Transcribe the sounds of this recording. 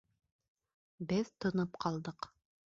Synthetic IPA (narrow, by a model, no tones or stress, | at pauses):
bɘðt̪ŏnɤpqʰɑlˠd̪ɤq